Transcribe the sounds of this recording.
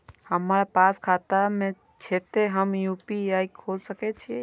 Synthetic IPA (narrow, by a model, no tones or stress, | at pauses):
həmɾpaskʰat̪ame | t͡ʃʰet̪eɦəmjupiaikʰolsəkɛt͡ʃʰi